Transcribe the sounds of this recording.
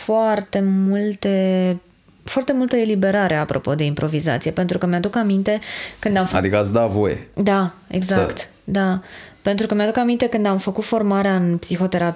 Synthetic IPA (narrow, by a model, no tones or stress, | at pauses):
foart̪e̞mult̪e̞ | foart̪e̞mult̪əe̞libe̞ɾaɾʔe̞apɾʔo̞̰po̞d̪e̞impɾo̞viza̰t̪sije̞pe̞nt̪ɾukəmead̪ukamint̪e̞kɨnd̪amfa̰d̪ikəat̪sd̪avojḛd̪ae̞̰ɡzaktt̪ | d̪ape̞nt̪ɾukəmead̪ukamint̪e̞kɨnd̪amfəkut̪fo̞rmaɾeaɨnpsixo̞t̪e̞ɾap